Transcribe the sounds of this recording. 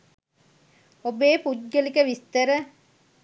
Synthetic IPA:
obeːput̪ɡəlikəʋist̪əɾə

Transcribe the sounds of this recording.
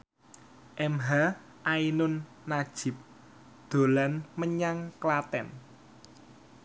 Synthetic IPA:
ʔɛmɦa | ʔainʊnː | ad̥ʒ̥ɪ̤p̚ | d̪̥o̤lanməɲaŋklat̪ɛ̰n

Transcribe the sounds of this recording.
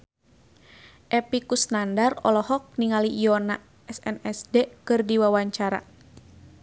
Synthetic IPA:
ʔɛpikusnandarɔlɔhɔk̚niŋaliʔijɔna | ɛsɛnɛsdɛkɨrdiwawaɲt͡ʃaɾa̰

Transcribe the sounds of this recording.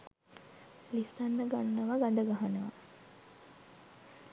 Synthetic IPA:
list̪anːəɡanːəʋaɡand̪əɡaɦanəʋa̰

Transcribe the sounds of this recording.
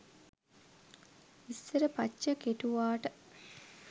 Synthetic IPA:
isːəɾəpat͡ʃt͡ʃːəkeʈuʋaːʈə

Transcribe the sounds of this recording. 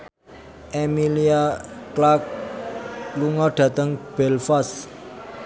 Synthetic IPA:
ɛmiliaklak̚ | luŋɔɖ̥ä̤t̪əŋb̥ɛlfas

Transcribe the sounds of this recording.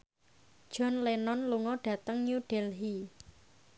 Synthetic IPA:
d̥ʒ̥ɔ̤nlenɔnluŋɔɖ̥ä̤t̪əŋɲuɖ̥ɛlɦi

